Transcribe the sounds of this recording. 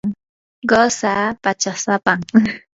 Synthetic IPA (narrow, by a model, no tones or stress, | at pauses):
ɢosapat͡ʃasapaŋ